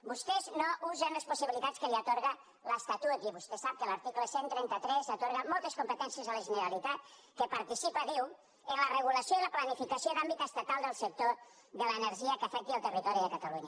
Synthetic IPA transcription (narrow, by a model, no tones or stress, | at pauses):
bust̪eznoʔuzənləspusiβilit̪at͡skəliət̪oɾɣə | ləst̪at̪ut̪iβust̪esap̚kələɾt̪ikləsent̪ɾɛnt̪ət̪ɾɛzat̪oɾɣəmɔlˠt̪əskumpət̪ɛnsiəzələʒənəɾalit̪at̪̚ | kəpəɾt̪isipəðiw | ənlərəɣ̞uləsioiləplanifikəsioðambit̪əst̪at̪alˠd̪əlˠsək̚t̪o | ðələnəɾʒiəkəfɛk̚t̪iəlˠt̪ərit̪ɔɾiðəkət̪əluɲə